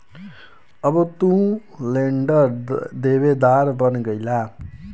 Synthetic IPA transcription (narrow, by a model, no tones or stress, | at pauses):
ʌbʌt̪ũleɳɖʌɾd̪ebed̪aɾbʌnɡʌjla